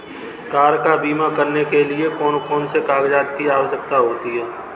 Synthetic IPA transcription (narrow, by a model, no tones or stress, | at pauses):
kaːɾkabiːmakɐɾnekeliekɔːnkɔːnsekaːɡd͡ʒaːt̪kiaːʋəsək̚t̪aɦoːt̪iɦɛː